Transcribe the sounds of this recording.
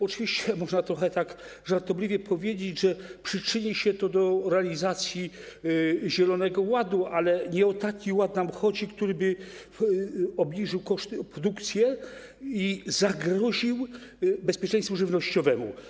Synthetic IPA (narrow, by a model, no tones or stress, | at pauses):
ɔt͡ʂɨvʲiɕt͡ɕɛmɔʐnat̪ɾɔxɛt̪ak | ʐaɾt̪ɔblʲivʲjɛpʰɔvʲjed͡ʑed͡ʑʐɛpʂɘt͡ʂɘɲiɕɛt̪ɔd̪ɔɾɛalʲizat̪sʲji | ʑɛlɔnɛɡɔwad̪uʔalɛɲɛɔt̪akʲiwat̪namxɔd͡ʑikt̪uɾɘbɘ | ɔbɲiʐɘwkɔʂt̪pɾɔd̪ukt̪sʲjɛ | izaɡɾɔʑiwbɛspʲjɛt͡ʂɛ̃j̃st̪fuʐɘvnɔɕt͡ɕɔvɛmṵ